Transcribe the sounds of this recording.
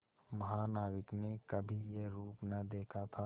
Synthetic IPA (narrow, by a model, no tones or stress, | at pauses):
mɐɦaːnaːɡɪknekɐbʱijeɾuːpnɐd̪eːkʰat̪ʰa